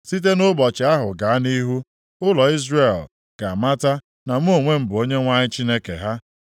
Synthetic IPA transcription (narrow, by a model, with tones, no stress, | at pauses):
si˦t̬e˦nʊ˦bɔ˨t͡ʃɪ˨a˦ɦʊ̰˨ɡa˨a˦ni˦ɦu˦ | ʊ˦lɔ˨i˦zre˦˨l | ɡ̥a˨ma˦ta˦ | na˨m̩˦o˦˨ŋʷe˦m̩˦bʊ˨o˦ɲe˦ŋʷa˦ɲɪ˦t͡ʃi˦ne˦kḛ˨ɦa˦